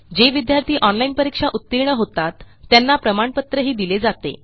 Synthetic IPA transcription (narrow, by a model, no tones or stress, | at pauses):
d͡ʑeʋid̪jaɾt̪iːʔɔnlainpəɾikʂaʔut̪ːiɾɳəɦot̪at̪ː | janːapɾəmaɳpət̪ɾəɦiːd̪iled͡zat̪ḛ